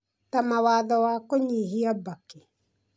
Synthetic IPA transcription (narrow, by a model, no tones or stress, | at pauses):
tamawaðɔwakoɲiɦiabake